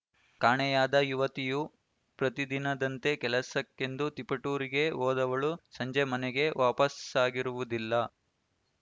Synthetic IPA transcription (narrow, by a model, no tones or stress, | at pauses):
kaːɳɛjaːd̪ɐjuʋɐt̪iju | pɾɐt̪id̪inɐd̪ɐnt̪e̞kɛlɐsɐkːe̞nd̪ut̪ipɐʈuːɾiɡe̞oːd̪ɐʋɐɭusɐɲd͡ʒemɐnɛɡe̞ʋaːpɐsaːɡiɾuʋud̪ilːɐ